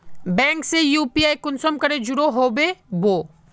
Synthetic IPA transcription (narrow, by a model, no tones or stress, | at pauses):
bɛ̃ːŋksejuːpiaːjkʊnsəmkɐɾed͡ʒʊɾoɦoːbeboː